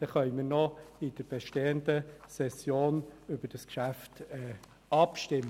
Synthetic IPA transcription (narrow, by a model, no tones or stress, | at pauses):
d̪̥ɛχœʏmɪɾnɔɪd̥əɾb̥ɛʃteːəndəsɛsjoːnʏbəɾd̥əskʃæftɛ | ʔɑpʃtɪmːə